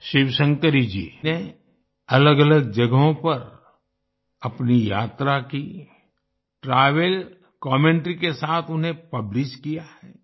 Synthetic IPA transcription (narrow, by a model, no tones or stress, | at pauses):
ʃɪʋsə̃ŋkəɾid͡ʒḭːne | ɐləɡɐləɡ̚d͡ʒɐɡɦõpɐɾ | ɐpnija̰ːt̪ɾaki | ʈɾaːʋəl | kɔːmẽːɳʈɾikesaːt̪ʰʊnɦẽpɐblɪʃkijahɛː